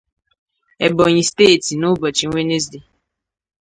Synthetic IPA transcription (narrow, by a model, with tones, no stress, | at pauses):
ɛ˨bɔ˨ɲ̃ĩ˧ste˦˨ti˨nu˦bɔ˨t͡ʃĩ˨˦we˦ne˦s̬de˨